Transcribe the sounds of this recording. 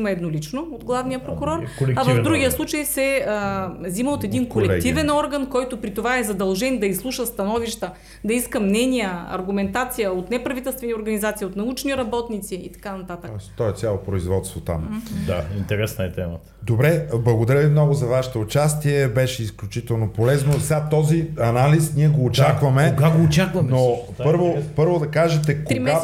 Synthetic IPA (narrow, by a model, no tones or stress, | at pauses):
imɐɛd̪nolit͡ʃnood̪ɡlˠavnijəpɾokʊɾɔɾkolɛkavəvd̪uɡʲijəslˠut͡ʃəjsɛəziməot̪ɛd̪inkolɛlkɛɡ̪ivɛnɔɾɡɐnkɔjt̪ʊpɾit̪ovaɛzɐd̪ɐlˠʒɛnd̪ɐislˠuʃəst̪ɐnɔviʃt̪ə | d̪ɐiskəmnɛnijəɐ̰ɾɡumɛnt̪at̪sijəot̪nɛpɾɐvit̪ɛlˠst̪vɛnioɾɡɐnizat̪siot̪nɐut͡ʃniɾɐbɔt̪nit̪siit̪ɐ̥kanɐt̪at̪ək̪ɔɛst̪ɔɛt̪sʲalˠopɾoizvɔt̪st̪vot̪a̰md̪aint̪ɛɾɛsnəɛt̪ɛmət̪ə̥d̪obɾɛblˠɐɡod̪ɐɾʲəvimnɔɡozɐvaʃɛ̥t̪oːt͡ʃast̪iɛbɛʃɛisklʲut͡ʃit̪ɛlˠnopolɛznosɛat̪ɔziɐnalisniɛɡoːt͡ʃakvɐmɛɡaɡoːt͡ʃakvɐno | pɤɾvopɤɾvod̪ɐkaʒɛt̪ɛkɾiɡa